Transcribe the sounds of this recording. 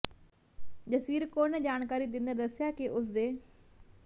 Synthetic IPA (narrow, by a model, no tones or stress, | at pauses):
d͡ʒəsʋiːɾkonɛd͡ʒaːnkaːɾid̪ɪ̃nd̪əd̪əsjaːkeʔʊs̬d̪eː